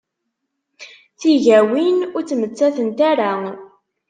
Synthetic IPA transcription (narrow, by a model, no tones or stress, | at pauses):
θiʝæwinʊɾt͡sːmət͡sːæθənt̪æɾa